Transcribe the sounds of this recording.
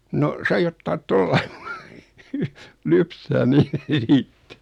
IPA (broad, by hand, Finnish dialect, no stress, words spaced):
no sɑi otːɑːt tolːɑ̥i̥ lypsæː niːt